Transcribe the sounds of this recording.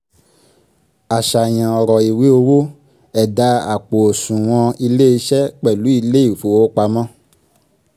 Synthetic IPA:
a˨ʃa˨j̃ã˨ɔ˨ɾɔ˨i˨wi˨˦o˧wo˦ | ɛ˨da˧˦a˨k͡po˨o˨sũ˨w̃ɔ̃˧i˧le˦i˧ʃɛ˦k͡pɛ˦˨lu˨˦i˧le˦i˦˨fo˨wo˦k͡pa˧mɔ̃˦

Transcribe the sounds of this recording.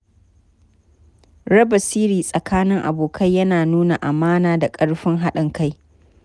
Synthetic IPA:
ɾɐ˦bɐ˨siː˦ɾiː˨sʼɐ˨kʰaː˦nɪ˦ŋʔa̰˨boː˨kʰɐ˦jːɐ˦naː˨nuː˦na˨ʔa˨maː˦naː˨da˨kʼɐ˦ɽɸɪ˦ŋɦa˦ɗɪ˨ŋka˦j

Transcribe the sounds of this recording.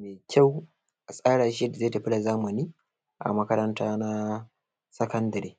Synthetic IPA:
meː˨kʲʰa˦˨w | a˨sʼaː˦ɽaː˨ʃi˦da˨zaː˦ta˨ɸɪ˦la˨zaː˦mɐ˨niː˦ | ʔa̰˨mɐ˦kɐ˦ɾɐ˦ntaː˦na˦ | sɐ˦kɐ˦ndɐ˨ɾeː˦

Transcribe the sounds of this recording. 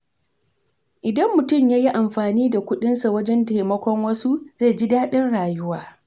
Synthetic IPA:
ʔɪ˨dɐ˦mːʊ˨tʊ˦˨mjaː˦ji˦ʔa˨mɸaː˨niː˦da˨kʷʊ˦ɗɪ˦nsa˨wɐ˦d͡ʒɛ˦nta˨jmɐ˦kʷɔ˦ŋwɐ˦su˦z̥a˦˨d͡ʒɪ˦daː˦ɗɪ˦nɽaː˨jʊ˦waː˨

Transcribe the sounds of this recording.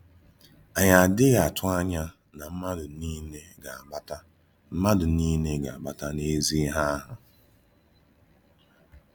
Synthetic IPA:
a˨ɲa˨dɪ˦ɣa˨tʰʊ˦a˦ɲa˦ | na˨m̩˦ma˦dʊ˨ni˦ne˦ɡa˨ba˦ta˦ | m̩˦ma˦dʊ˨niː˦ne˦ɡa̰˨a˨ba˦ta˦ne˦zi˦ɦa˦ɦʊ˨

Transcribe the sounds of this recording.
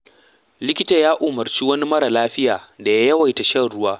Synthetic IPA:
lɪ˦kʲɪ˦ta˨jaː˦ʔoː˨mɐ˨rt͡ʃiː˦wɐ˦ni˦mɐ˦ɽa˨laː˦ɸɪ˦jaː˨da˨ja˦jɐ˦wa˨jta˨ʃɐ˦ɽʊ˦waː˦

